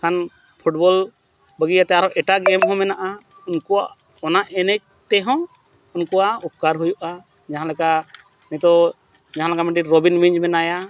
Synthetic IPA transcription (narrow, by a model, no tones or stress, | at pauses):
kʰan | pʰuʈ̚bɔl | bəɡijat̪ɛaɾɔʔɛʈaɡɛmɦɔ̃mɛnaʔa | unkɔwa̰ | ɔnaʔɛnɛc̚t̪ɛɦɔ̃ | unkɔwaup̚kaɾɦujuʔa | d͡ʒaɦãlɛka | nɛt̪ɔ | d͡ʒaɦãlɛkamɛʈiɾɔbinmiɲd͡ʒmɛnaja